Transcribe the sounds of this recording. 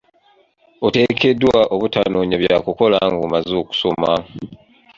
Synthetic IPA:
ote̞ke̞dːwaʔoβutanoːɲaβjakuko̞laŋɡomazoːku̥soma

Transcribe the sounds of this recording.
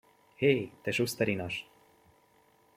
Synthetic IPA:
hejt̪eʃust̪ɛɾinɑʃt̪

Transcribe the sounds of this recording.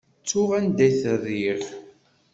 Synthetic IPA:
t͡sːʊʁænd̪æθəriɾ

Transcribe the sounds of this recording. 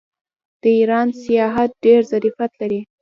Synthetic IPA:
d̪̥əiɾɑnsijɑɦat̪̚ɖeɾzaɾifat̪laɾi

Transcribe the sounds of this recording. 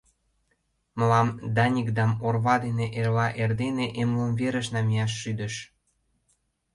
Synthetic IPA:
mə̆lɑmd̪ɑnʲikd̪ɑmorβɑd̪eneʔelɑʔerd̪eneʔemləmveɾə̆ʃnɑmijɑʃ̬ːyd̪ə̆ʃ

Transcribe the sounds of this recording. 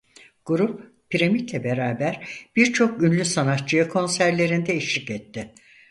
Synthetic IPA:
ɡ̥uɾup̚ | piɾamit̪lʲɛbe̞ɾaːbæɾb̥iɾt͡ʃʰo̞k̚ynlʲysanat̪̚t͡ʃɯjɯkʰo̞nsæɾlʲe̞ɾind̪ɛiʃlʲicɛt̪ːɪ

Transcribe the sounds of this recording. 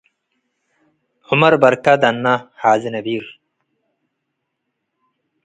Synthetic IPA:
umɐɾbɐɾkad̪ɐnːahaːzinɐbiːɾ

